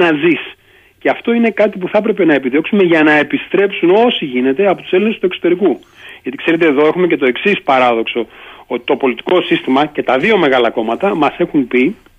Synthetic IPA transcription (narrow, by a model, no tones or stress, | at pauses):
nɐzis | ce̞ɐft̪o̞ine̞kɐt̪ipuθɐpɾe̞pe̞nɐe̞piðio̞ksume̞ʝɐnɐe̞pist̪ɾe̞psuno̞siʝine̞t̪e̞ɐpo̞t̪u̥selinest̪uekso̞t̪e̞ɾiku | ʝɐt̪ikse̞ɾe̞t̪̬e̞ːðo̞e̞xume̞ce̞t̪o̞e̞ksispɐɾɐðo̞kso̞ot̪i̥t̪o̞po̞lit̪i̥ko̞sist̪imɐce̞t̪ɐðio̞me̞ɣɐlɐko̞mɐt̪ɐmɐse̞xumpi